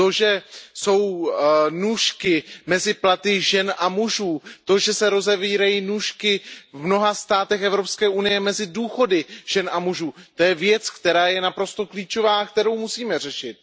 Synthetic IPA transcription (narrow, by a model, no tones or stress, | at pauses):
t̪o̞ʒɛso̞wnuːʃkɪmɛzɪplat̪ɪʒɛnamuʒuːt̪o̞ʒɛsɛɾo̞zɛviːɾajiːnuːʃkɪvmno̞ɦast̪aːt̪ɛxʔɛvɾo̞pskɛːʔunɪjɛmɛzɪduːxo̞dɪʒ̥ɛnʔamuʒuːt̪o̞jɛvjɛt͡skt̪ɛɾaːjɛnapɾo̞st̪o̞kliːt͡ʃo̞vaːkt̪ɛɾo̞wmusiːmɛr̝ɛʃɪt̪̚